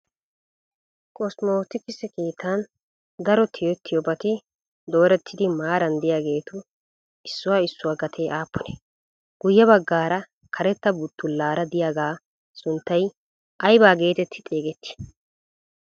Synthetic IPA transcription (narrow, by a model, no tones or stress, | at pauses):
kʼɔsmoːt̪ɪkɪsɛkʼiːt̪ʰːaːn | d̪ɐɾɔt̪ʰɪjɔt̪ʰːɪjɔbɐt̪ɪ | d̪o̞ːɾɛt̪ʰːɪd̪ɪmaːɾɐnd̪ɪjaːɡe̞ːt̪ʊ | ɪsːʊwaːɪsːʊwaːɡɐt̪ʰeːʔaːpʰːɔnɛ | ɡ̥ʊjːɛβɐɡːaːɾɐ | kʰɐɾɛt̪ːɐbʊt̪ːʊlːaːɾɐd̪ɪjaːɡaː | sʊnt̪ːɐj | ʔɐjbaːɡe̞ːt̪ɛt̪ʰːɪ̥t̪ʼeːɡɛt̪ːɪ̥